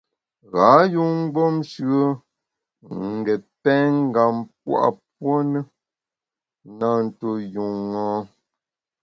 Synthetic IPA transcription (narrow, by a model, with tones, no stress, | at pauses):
ɣa˨˦ju˦ŋ̩˦ɡ͡bo˦mʃɰə˦ | ŋ̩˨ɡɛ˨pɛ˦ŋ̩˦ɡa˨mp̚wa̰˦˨p̚wo˦nə˦ | na˦˨n̩˨to˦ju˨ŋɔ˦